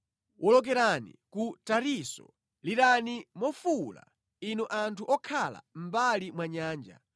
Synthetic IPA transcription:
wʔɔlɔk̬ɛɾanḭkutaɾisɔ̰ | liɾanimɔfula̰ | inɔʔantʰuʔɔkʰala̰m̩balimwaɲaːnd͡ʒa̰

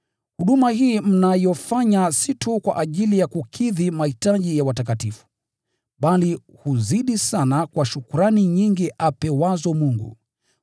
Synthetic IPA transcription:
huɗumahiːm̩najɔfaɲasitʰukwa̰ʔaʄilijakukʰiðimahitaʄijawatak̬atifu̥ | ɓali | huziɗisanakwaʃukuɾaniɲiŋɡiʔapɛwazɔmuŋɡṵ

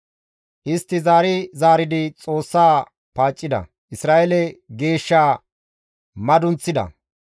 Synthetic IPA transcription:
ʔɪst̪ːɪzaːɾɪzaːɾɪd̪ɪt͡sʼo̞ːsːaː | paːt͡ʃʼːɪd̪ɐ̰ | ʔɪsɾaːʔɛlɛɡe̞ːʃːaː | mɐd̪ʊnt͡sːɪd̪ɐ̰

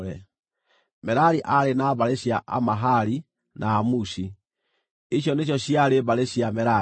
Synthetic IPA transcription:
ɾɛ | mɛɾaɾiʔaɾenaːβaɾeɕjaʔa̰maɦaɾi | naːmusi | iɕ̬jɔneɕ̬ɔɕiaɾeβaɾeɕiamɛɾa

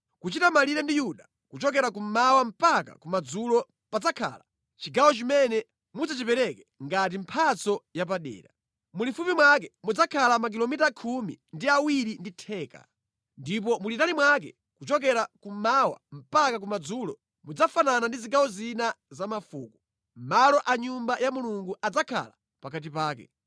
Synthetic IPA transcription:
kut͡ʃitamaliɾɛndijuɗa | kut͡ʃɔkɛɾak̬um̩mawam̩paka̰kumad͡zulɔ | pad͡zakʰa̰ːla | t͡ʃiɡawɔt͡ʃimɛnɛ | mud͡zat͡ʃipɛɾɛkɛŋɡat̬im̩pʰat͡sɔjap̬aɗɛ̰ːɾa | mulifupimwakɛmud͡zakʰalamak̬ilɔmitakʰumḭndiawiɾinditʰɛːka̰ | ndip̬ɔmulitanimwak̬ɛ | kut͡ʃɔkɛɾakumawa̰m̩pakak̬umad͡zuːlɔ | mud͡zafananandiziɡawɔzina | zamafuːku | m̩malɔʔaɲumbajamuluŋɡuʔad͡zakʰa̰la | pakat̬ipaːkɛ̰

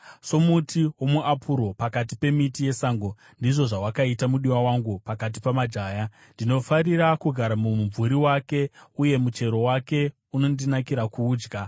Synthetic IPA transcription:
so̞mutʰiwo̞muapʰuɾo̞pakat̬i̥pe̞mitije̞saːŋɡo̞ | ndiʐo̞ʐawakaitamuɗiwawaŋɡupakat̬ipamad͡ʒaːja | ndino̞fariɾakuɡʱaɾamumvuɾiwake̞uje̞mut͡ʃe̞ɾo̞wake̞ | uno̞ndinakiɾakuːd͡ʒɡa

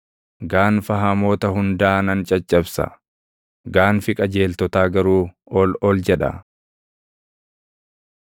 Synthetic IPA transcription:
ɡaːnfɐɦɐmo̞ːt̪ɐɦʊnd̪aːnɐnt͡ʃʼɐt͡ʃʼːɐbsɐ̰ | ɡaːnfɪkʼɐd͡ʒe̞ːlt̪ɔt̪aːɡɐɾuː | ɔlɔld͡ʒɛᶑɐ̰

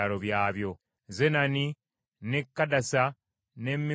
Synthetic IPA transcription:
alo̞βjaːβjo̞ | zenani | nekːadasa | ne̞mːi

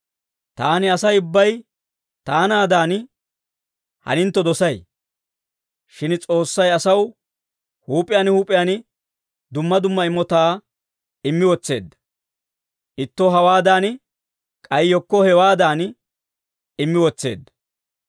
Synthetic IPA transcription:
t̪aːnɪɐsɐjʊbːɐj | t̪aːnaːd̪aːn | hɐ̰nɪnt̪ːɔd̪ɔsɐj | ʃɪnt͡sʼo̞ːsːɐjɐsɐw | huːpʼːɪjaːnhuːpʼɪjaːn | d̪ʊmːɐd̪ʊmːɐɪmɔt̪aː | ɪmːɪwɔt͡sːe̞̰ːd̪ːɐ̥ | ʔɪt̪ːɔɦɐwaːd̪aːn | kʼɐjjɔkːɔhɛwaːd̪aːn | ɪmːɪwɔt͡sːe̞̰ːd̪ːɐ̥

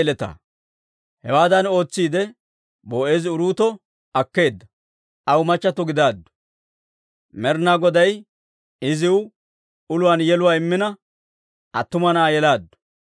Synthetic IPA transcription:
lɛt̪a̰ː | hɛwaːd̪ɐno̞ːt͡sːiːd̪ɛ | boːe̞ːzɪʊɾuːt̪ɔ | ɐkːe̞ːd̪ːɐ | ʔɐwmɐt͡ʃːɐt̪ːɔɡɪd̪aːd̪ːʊ̥ | mɛɾnaːɡɔd̪ɐj | ɪzɪw | ʊlʊwaːnjɛlʊwaːɪmːɪnɐ | ʔɐt̪ːʊmɐnaːjɛlaːd̪ːʊ̥

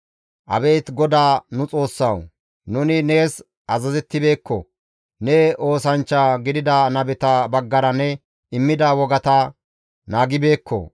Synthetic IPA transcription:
ʔɐ̰be̞jt̪ɡɔd̪aːnʊt͡sʼo̞ːsːɐw | nʊnɪne̞ːs | ɐzɐzɛt̪ːɪbe̞ːkːɔ̰ | nɛo̞ːsɐnt͡ʃːaɡɪd̪ɪd̪anɐbɛt̪ɐbɐɡːɐɾɐnɛ | ɪmːɪd̪awɔɡɐt̪ɐ | naːɡɪbeːkːɔ̰

